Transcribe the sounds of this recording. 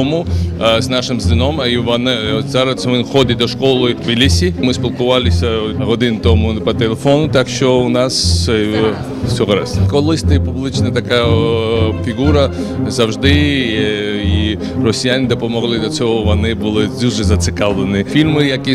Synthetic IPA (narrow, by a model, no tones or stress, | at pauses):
ɔmʊznɑʃɪmzd̪ɪnɔmiʋɔnɪzɑɾɐsʋɪxɔd̪ʲɪt̚ʲd̪ɔʃkɔlˠɪd̪bʲilʲisʲimɪsʲpʲilˠkʊʋɑlʲˠɪsʲɐɦɔd̪ɪnt̪ɔmʊpɐt̪elˠefɔnʊt̪akʃt͡ʃɔʊnɑs | sʲɔɦɔɾɐ̰skɔlˠɪsʲt̪ɐpublˠɪt͡ʃnɐt̪ɐka | fʲiɣuɾɐ | zɐwʒd̪ɪ | i | rɔsʲijanʲɪd̪ɔpɔmɔɦlˠɪd̪lʲɐt͡s̪ʲɔɦɔʋɔnɪbʊlˠɪd̪uʒɛzɐt̪sɪkɑlˠlˠɪnɪfʲilʲmɪjɐki